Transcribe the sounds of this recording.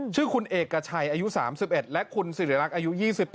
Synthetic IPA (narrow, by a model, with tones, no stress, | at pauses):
t͡ɕʰɯː˥˩kʰu˧nʔeː˨˩kːa˧t͡ɕʰa˧jʔaː˧ju˦˥saː˩˦msi˨˩p̚ʔe˨˩t̪̚lɛ˦˥ʔkʰu˧nsi˨˩ɾi˩˦˧ɾa˦˥k̚ʔaː˧ju˦˥jiː˥˩si˨˩p